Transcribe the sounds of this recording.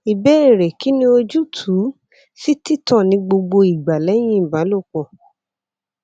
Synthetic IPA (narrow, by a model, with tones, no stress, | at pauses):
i˨bɛ˦ɛ˦˨ɾɛ˨ki˨˦nĩ˧˦o˧d͡ʒu˦tʰu˨˦ | si˦ti˦tɔ̃˦˨nĩ˧ɡ͡bo˧ɡ͡bo˧i˨ɡ͡ba˨lɛ˨˦j̃ĩ˦˨ba˨˦lo˦˨k͡pɔ˨